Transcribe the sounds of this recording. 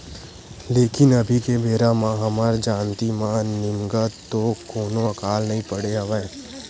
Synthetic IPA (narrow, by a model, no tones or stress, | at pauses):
leːkɪnɐbʱikebeːɾamãɦɐmaːɾd͡ʒãːnt̪imãnɪmɡət̪okoːnoɐkaːlnɐɦĩpəɽeɦɐʋɛː